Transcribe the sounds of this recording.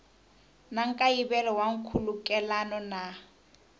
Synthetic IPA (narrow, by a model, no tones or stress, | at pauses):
naŋ̩kʼaibɛlɔwaŋ̩kʰulukʼɛlanɔna